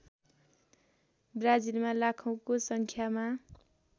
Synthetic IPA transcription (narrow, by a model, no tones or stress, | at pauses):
brad͡zilmalakʰʌw̃kosʌŋkʰjama